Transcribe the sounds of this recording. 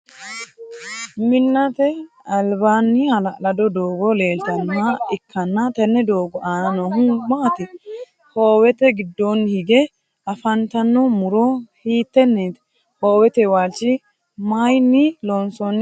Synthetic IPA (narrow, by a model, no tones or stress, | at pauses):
mɪnːɐt̪ɛ | ɐlbaːnːɪhɐlɐʔlɐd̪ɔd̪oːɡɔle̞ːlt̪ɐnːɐɪkʰːɐnːɐt̪ɛnːɛd̪oːɡɔʔaːnɐnɔɦumaːt̪ɪ | hoːwɛt̪ɛɡɪd̪ːonːhɪɡɛ | ɐfɐnt̪ɐnːɔmʊɾɔhiːt̪ːɛnːeːt̪ | hoːwɛt̪ɛwaːt͡ʃːɪ | mɐjnːɪlɔnsɔn